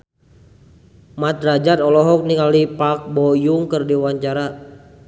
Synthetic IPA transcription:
mat̪̚rad͡ʒat̪ɔlɔɦɔk̚niŋalipak̚bɔjuŋkərdiwaɲt͡ʃaɾa

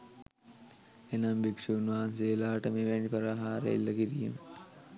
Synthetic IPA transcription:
enamʋikʂuunʋaːnseːlaːʈəmeːʋænipɐɾaɦaːɾḛḭlːɐkiɾijemə

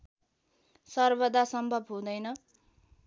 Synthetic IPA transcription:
sʌrbʌd̪asʌmbʱʌbɦũd̪ʌjnʌ

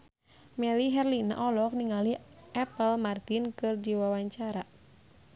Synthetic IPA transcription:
mɛliɦɛrlina̰ʔɔlɔk̚niŋaliʔɛpəlmart̪inkɨrdiwawaɲt͡ʃaɾa

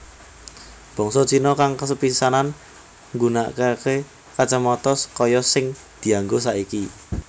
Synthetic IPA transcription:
b̥ɔ̤ŋsɔd̥t͡ʃinɔkaŋkəsəpisanan | ŋɡuna̰ʔkake | kat͡ʃəmɔt̪ɔskɔjɔsɪŋ | d̪̥i̤aŋɡosaiki

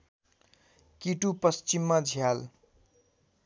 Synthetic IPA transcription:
kiʈupʌst͡simːad͡zʱjal

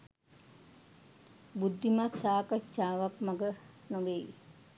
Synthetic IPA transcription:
bud̪ʱːimasaːkat͡ʃːaːʋakmaɡənoʋej

